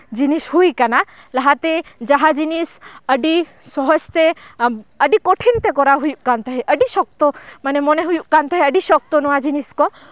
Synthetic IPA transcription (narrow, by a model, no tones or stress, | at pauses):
d͡ʒinishujkana | laɦat̪ɛd͡ʒaɦad͡ʒinisəɖi | sɔɦɔd͡ʒt̪e | əɖikɔʈʰint̪ɛkɔɾaɦujuʔkant̪aɦɛʔəɖisɔk̚t̪ɔmanɛmɔneɦujuʔkant̪aɦɛəɖisɔk̚t̪ɔnɔwad͡ʒiniskɔ